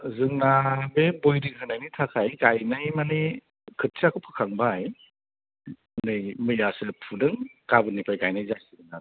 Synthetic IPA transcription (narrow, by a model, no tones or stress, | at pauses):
zɯŋnabebojɾikʰɯnajnitʰakʰajkajnajmani | kʰɯt̚siakʰɯpʰɯ̥kʰaŋbaj | nɯjmɯjasɯpʰudɯŋkabɯnijpʰajkajnajzajsɯɾɯna